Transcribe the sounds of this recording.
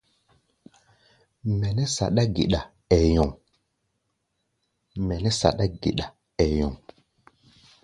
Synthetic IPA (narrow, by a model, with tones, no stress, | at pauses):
mɛ˨ne˦sa̰˨ɗa˦ɡḭ˨ɗa˨ | e˨jo˨ŋ | me˨nɛ˦sa̰˨ɗa˦ɡḭ˨ɗa˨ | e˨jɔ˨ŋ